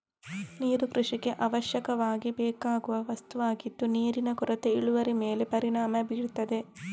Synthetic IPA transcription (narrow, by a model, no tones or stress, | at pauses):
niːɾukɾuʂiɡe̞ʔɐʋɐʃjɐkɐʋaːɡibɛːkaːɡuʋɐʋɐst̪uʋaːɡit̪ːuniːɾinɐkuɾɐt̪eiɭuʋɐɾimeːlepɐɾiɳaːmɐbiːɽt̪ːɐd̪e̞